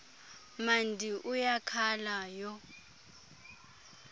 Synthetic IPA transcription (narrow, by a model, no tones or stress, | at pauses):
mandʱiʔujakʰalajɔ